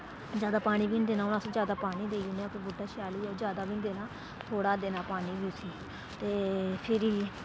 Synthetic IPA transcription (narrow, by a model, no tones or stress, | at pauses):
d͡ʒjaːd̪aːpaːɽ̃iːbiːnd̪eːnãːʊnãːsõːd͡ʒjaːd̪aːpaːɽ̃iːd̪eːunẽakobʊɖaːʃaːliːɛːd͡ʒjaːd̪aːbiːnd̪eːnãː | t̪ʰoːɽaːd̪eːnãːpaːniːbiːsiː | t̪eːpʰɪɾiː